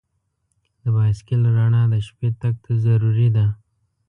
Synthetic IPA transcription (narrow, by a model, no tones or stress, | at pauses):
d̪əbɑskɪlɾaɳad̪əʃpet̪ak̚t̪ʰazaɾuɾid̪a